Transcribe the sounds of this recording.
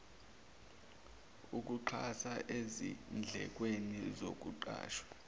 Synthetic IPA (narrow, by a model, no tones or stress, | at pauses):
uk̬uǃʰasaʔezḭnd͡ɮʱɛ̰k̬wenizok̬uǃa̰ːʃwḁ